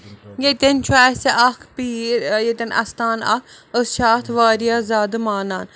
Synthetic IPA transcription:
ɡet̪ʲent͡ʃʰuaːseʔɐkʰpiːɾjet̪ʲɐnɐ̰st̪aːnɐ̰kəsʃaːt̪ʰʋaːɾijaːzaːd̪ɨmaːnaːn

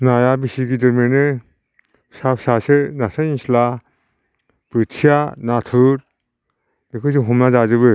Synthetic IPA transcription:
najabisiɡidɯɾmenɯ | sapʰsasɯnasaɲisla | b̥ɯtʰijanatʰɯɾ | bikʰɯs̬ɯɦɔmnazad͡ʒɯbɯ

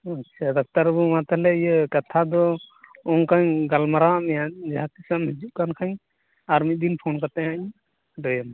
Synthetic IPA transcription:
at͡ʃʰad̪ak̚t̪aɾbumat̪alɛijəkat̪ʰad̪ɔɔŋkaɲɡalmaɾaamijad͡ʒat̪isamid͡ʒuʔkankʰaɲ | aɾmit̪̚d̪inpʰɔnkat̪ɛaɲ | dɔjam

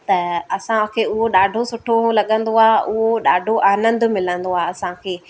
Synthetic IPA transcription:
t̪ɐɐsãkʰeːʊɦoɗaːɖʱosʊʈʰolɐɠə̃nd̪oaːʔʊɦoɗaːɖʱoʔaːnə̃nd̪mɪlə̃nd̪oaːɐsãkʰeː

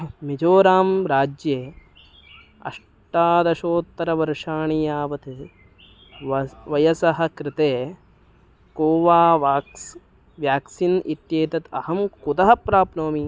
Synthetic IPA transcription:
mid͡ʒoːɾaːmɾaːd͡ʒjeː | ɐ̰ʂ | ʈaːd̪ɐʃoːt̪ːɐɾɐʋɐɾʂaːɳijaːʋɐt̪e | ʋɐjɐsɐɦɐ̆kɾɪt̪eː | koːʋaːʋaːks | ʋjaːksinit̪jeːt̪ɐt̪ɐhɐmkud̪ɐɦɐpɾaːpnoːmi

